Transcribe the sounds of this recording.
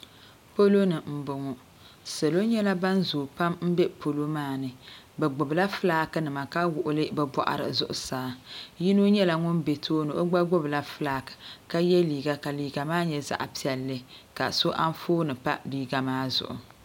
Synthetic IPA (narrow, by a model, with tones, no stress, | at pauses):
po˦lo˦nɨ˨m̩˨bʊ˨ŋɔ˨ | sa˨lo˦ɲɛ˦la˦ba˦nzʊː˨pa˦mm̩˦bɛ˦po˨lo˦maː˦˨nɨ˨ | bɛ˨ɡ͡bʊ˨bla˦fɨ˦laː˦kɨ˦nɨ˨ma˨ka˦wʊ˨ʔʊ˦lɨ˦bɛ˨ba̰˨ʔa̰˨ɾɨ̰˨zʊ̰˨ʔʊ̰˨saː˦ji˦no˦ɲɛ˦la˨ŋʊ˦nbe˨tʰoː˦nɨ˨ʔo˦ɡ͡ba˦ɡ͡bʊ˦bla˦fɨ˦laː˦kɨ̥˨ka˦jɛ˦liː˨ɡa˦ka˨liː˨ɡa˨maː˦ɲɛ˨za̰˦˨ʔpi˦ɛ˨lːɨ˦ka̰˨so˦ʔa˦n˦foː˦nɨ˨pa˦liː˦ɡa˨maː˦zʊ̰˨ʔʊ̰˨